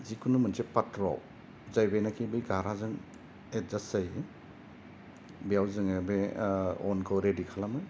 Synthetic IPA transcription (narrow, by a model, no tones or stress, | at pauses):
zikʰunumɯnsepatɾɔ̰w | zajbenakʰibɯjɡaɾazɯŋ | et̚zasaj | bijawzɯŋebeɔnkʰɯwɾedikʰalamɯj